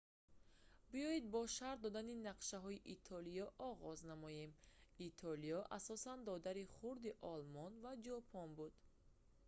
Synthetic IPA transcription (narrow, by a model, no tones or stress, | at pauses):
biɔjid̪̚bɔʃaɾt̪d̪ɔd̪aninaqʃaɦɔiʔit̪ʰɔlijɔʔɔʁɔznamɔje̞mit̪ʰɔlijɔʔasɔsand̪ɔd̪aɾiχuɾd̪iʔɔlmɔnvad͡ʒɔpʰɔnbud̪̥